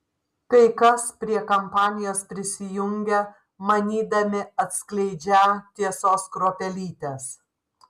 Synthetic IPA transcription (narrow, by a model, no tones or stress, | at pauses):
t̪ɐɪkɐspʲɾʲiɛkɐmpɑːnʲɪjoːspʲɾʲɪsʲɪjʊŋʲɡʲɛ | mɐnʲiːd̪ɐmʲɪɐt̪ʲsklʲɛɪd͡ʒʲæːt̪ʲiɛsoːskɾoːpʲɛlʲiːt̪ʲeːs